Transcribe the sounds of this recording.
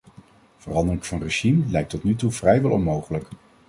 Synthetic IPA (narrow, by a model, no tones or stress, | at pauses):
v̥ərɑndərɪŋvɑnreʒimlɛjk̚tɔtnytuvrɛjʋɛlˠɔ̰nmowχələk